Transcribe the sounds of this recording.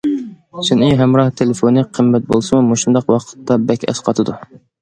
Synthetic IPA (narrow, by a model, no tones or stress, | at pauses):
siniɦɛmɾɑht̪ʰelefonɨqʰːəmːɛt̪̚bolˠsɨmumoʃund̪ɑqwɑqʰə̥t̪ːɑbɛkʲɛ̰sqʰɑt̪ʰɨd̪u